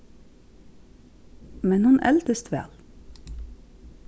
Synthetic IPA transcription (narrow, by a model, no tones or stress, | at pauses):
mɛnhʉnʔɛ̰lt̪əst̪ʋæ̰ːl